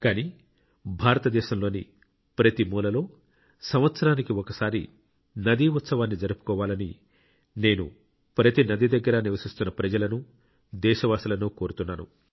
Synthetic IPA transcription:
kaːniː | bʱaːɾɐt̪ɐd̪ɛːʃɐmlo̞ːnḭ | pɾɐt̪imuːlɐlo̞ː | sɐmʋɐt̪sɐɾaːnikiɔkɐsaːɾḭ | nɐd̪iːut̪sɐʋaːnːid͡ʒɐɾupu̥kɔːʋaːlɐni | ne̞ːnṵ | pɾɐt̪inɐd̪id̪ɐɡːɐɾɐniʋɐsist̪unːɐpɾɐd͡ʒɐlɐnu | d̪ɛːʃɐʋaːsilɐnuːko̞ːɾut̪unːaːnṵ

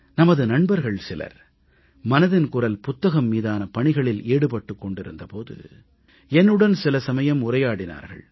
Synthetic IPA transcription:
nɐmɐðɯnɐɳbɐɾɣɐɭsɪlɐ̰ɾ | mɐnɐðɪnkʊrɐlpʊt̪ːɐɣɐmːiːðaːnɐpɐɳɪɣɐɭɪleːɽɯpɐʈːɯkːɔɳɖɪɾɯnd̪ɐpoːðɯ̰ | ɛnːɯɽɐnsɪlɐsɐmɐjɐmʊrɐjaːɽɪna̰ːɾɣɐ̰ɭ

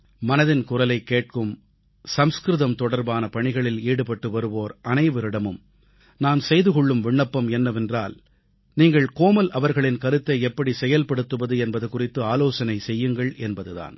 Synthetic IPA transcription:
mɐnɐðɪnkʊrɐlɐɪkːeːʈ̚kɯm | sɐmskɾɯðɐmt̪ɔɽɐɾbaːnɐpɐɳɪɣɐɭɪliːɽɯpɐʈːɯʋɐɾɯʋoːɾʔɐnɐɪʋɯɾɪɽɐmɯm | naːmsɛjðɯkɔɭːɯmʋɪɳːɐpːɐmɛnːɐʋɛndra̰ːl | niːŋɡɐɭkoːmɐlʔɐʋɐɾɣɐɭɪnkɐɾɯt̪ːɐɪɛpːɐɽisɛjɐlpɐɽɯt̪ːɯʋɐðɯɛnbɐðɯkʊrɪt̪ːɯaːloːsɐnɐɪsɛjːɯŋɡɐɭʔɛnbɐðɯða̰ːn

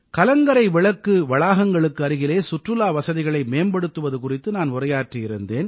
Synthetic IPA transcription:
kɐlɐŋɡɐɾɐɪʋɪɭɐkːɯʋɐɭaːɣɐŋɡɐɭɯkːɯɐɾɯɣɪleːsʊʈrɯlaːʋɐsɐðɪɣɐɭɐɪmeːmbɐɽɯt̪ːɯʋɐðɯkʊrɪt̪ːɯnaːnʊrɐjaːʈriɪɾɯnd̪eːn

